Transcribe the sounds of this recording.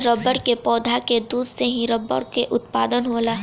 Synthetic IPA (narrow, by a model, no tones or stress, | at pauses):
ɾəbəɽkepɔːd̪ʱaked̪uːd̪seɦĩɾəbːə̰ɾkeʔʊt̪paːd̪ənɦoːlaː